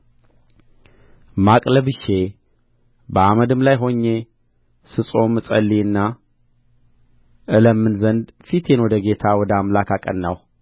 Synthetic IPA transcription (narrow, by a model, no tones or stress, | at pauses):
makʼləβɨʃe̞ | bəaməd̪ɨmlajɦo̞ɲːe̞ | sɨsʼo̞mːɨsʼəlːiɨnːa | ʔɨləmːɨnzənd̪fit̪jɛnod̪əɡe̞t̪ʰawɔd̪əamlakʰakʼə̰nːaw